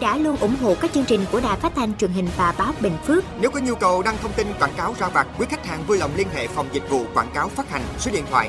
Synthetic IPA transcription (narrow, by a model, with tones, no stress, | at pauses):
ɗa̰ː˧˥lu˧ənʔʊ˧˩ŋ͡mɦo̰˧˨kaː˦˥k̚t͡ɕɨ˧əŋt͡ɕï˨˩ŋ̟ku˧˩əɗaː˨˩jfaː˦˥t̚t̪ʰa˧jŋ̟t͡ɕwi˨˩ənhï˨˩ŋ̟vaː˨˩ɓaː˨˦wɓḭ˧˨ŋ̟fɨ˦˥əkne˨˦wkɔ˨˦ɲu˧kə˨˩wɗaː˧ŋt̪ʰə˧wŋ͡mt̪i˧nkwaː˧˩nkaː˨˦wzaː˧˩vaː˨˩t̚kwi˨˦kʰa˦˥k̚ha̰ː˨˩nvuː˧jlə̰˨˧˨wŋ͡mli˧ənɦḛ˧˨fa˨˩wŋ͡mzï˨˩k̟̚vṵ˧˨kwaː˧˩nkaː˨˦wfaː˦˥t̚ha˨˩jŋ̟sə˨˦ɗḭ˧˨ət̪ʰwa̰ː˧˨j